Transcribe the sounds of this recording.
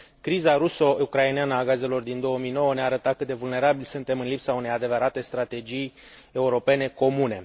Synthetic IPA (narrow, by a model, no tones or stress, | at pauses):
kɾizaɾuso̞ukɾaineanəaɡaze̞lo̞rd̪ind̪o̞wəmijno̞wəneaːɾət̪at̪̚kɨt̪d̪e̞vulne̞ɾabilsunt̪e̞mɨnlipsaune̞jad̪e̞vəɾat̪e̞st̪ɾat̪e̞d͡ʒij | e̞uɾo̞pe̞ne̞ko̞mune̞